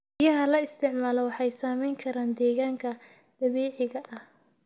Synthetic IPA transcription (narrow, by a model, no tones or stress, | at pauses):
ɪjɐɦɐlɐɪst̪ʰɪʕmaːlɔwɑħɑjsaːmɛjŋkʰɐɾaːnd̪ɛːɣaːŋkʰɐ | d̪̥ɐβɛːʕɪɣɐʔɐh